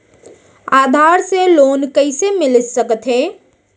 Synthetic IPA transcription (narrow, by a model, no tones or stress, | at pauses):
aːd̪ʱaːɾseloːnkəɪsemɪlsəkət̪ɦẽ